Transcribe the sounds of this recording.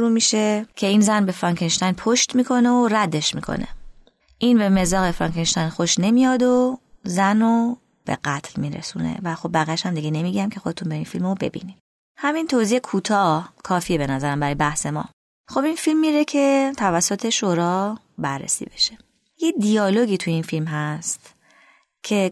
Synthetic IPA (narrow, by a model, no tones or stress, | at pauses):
oɾuːmiːʃe̞cʰe̞iːnzænbe̞fɾɒŋkʰenʃt̪æjnpʰoʃt̪miːkʰo̞neoræd̪e̞ʃmḭːkʰo̞̰nḛ | ʔinbe̞me̞zɒːɣefɾɒ̰ŋkenʃt̪æjnxoʃne̞mijɒːd̪ozæno | b̥e̞̰ɢæt̪ʰlmiːɾḛsunḛvæxo̞b̚ːæɣijæʃhæmd̪iɡɟene̞miɡæmkʲʰe̞xo̞d̪e̞t̪ʰunbeinfilmobe̞̰bḭnim | hæmint̪ʰoziːekʰuːt̪ʰɒːhkʰɒːfiːebe̞næzæɾæmbæɾɒːjebæhse̞mɒ̰ː | xo̞binfilmːiɾecʰe̞t̪ʰævæsːot̪ʰeʃoːɾɒː | bæɾːḛsḭːbe̞̥ʃe̞ | jed̪ijɒːlo̞ɡiːt̪ʰujeinfilmɦæst̪ | cʰe̞